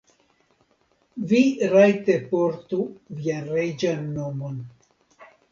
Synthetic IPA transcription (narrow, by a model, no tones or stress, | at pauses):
viɾajte̞poɾtuvianɾed͡ʒanːomon